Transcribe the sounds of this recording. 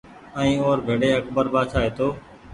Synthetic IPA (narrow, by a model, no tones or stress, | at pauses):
ɛ̃ĩːoːɾbʱeːɽeːəkbəɾbaːt͡ʃʰaːɦeːt̪ʰoː